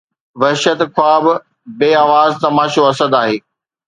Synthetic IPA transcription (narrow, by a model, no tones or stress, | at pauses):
ʋɐɦʃət̪kʰwaːb | beːaːʋaːzt̪ɐmaːʃoɐsəd̪aːɦeː